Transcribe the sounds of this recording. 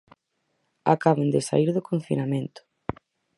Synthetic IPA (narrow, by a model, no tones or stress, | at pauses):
a̰kaβand̪esa̰iɾðʊkõɱfḭnamẽnt̪ʊ̥